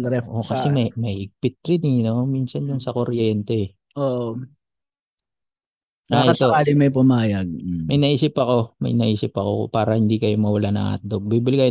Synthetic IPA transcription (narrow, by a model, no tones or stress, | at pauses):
ɾɛʔokɐsɛmɐmɐhɪɡ̚pɪt̪̚ɾɪninomiːnsɐnjʊnsɐkoɾjɛnt̪ɛɛ | ʔoːʔ | ʔaɐst̪ɐokaːlɪmɐjpʊmaːjɐɡ̚mɐjnɐʔiːsɪpɐko̞mɐ̰jnɐʔiːsɪpɐko̞̰paːɾɐhɪnd̪iːkɐjomɐwɐlanɐ̰ŋa̰t̪̚d̪obiːbɪlɪkaj